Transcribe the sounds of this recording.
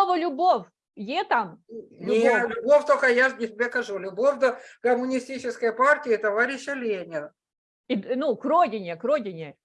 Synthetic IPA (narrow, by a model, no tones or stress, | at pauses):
ovəlʲʊbof | jet̪amʲjalʲʊbofʲt̪okəjaʐnʲɪsʲɪbʲekɐʐulʲʊbofʲd̪ɐkɐmʊnʲɪsʲtʲit͡ɕɪskəjpartʲɪɪt̪ɐvaɾʲɪɕːəlʲenʲɪn | inukɾodʲɪnʲɪkrodʲɪnʲɪ